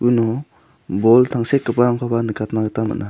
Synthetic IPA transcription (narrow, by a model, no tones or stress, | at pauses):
unɔ | bɔltʰaŋsekːɯpaɾaŋpʰabanɯkatnaɡɯtama̰tna